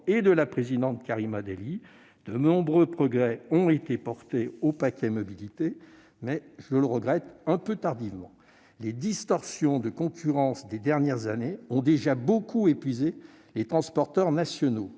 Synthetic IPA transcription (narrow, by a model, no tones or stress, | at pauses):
ed̪əlapχezid̪ɑ̃t̪kaʁimad̪eli | d̪̥ənɔ̃bʁøpχɔɡʁɛɔ̃et̪epɔʁt̪eopakʲɛmɔbilit̪e | mɛʒələʁəɡʁɛt̪ɛ̃pøt̪aʁd̪ivmɑ̃ | led̪ist̪ɔʁsjɔ̃d̪əkɔ̃kʲʰyʁɑ̃sd̪ed̪ɛʁnjɛʁzaneɔ̃d̪eʒabokʰuepɥize | let̪χɑ̃spɔʁt̪œʁnasjɔno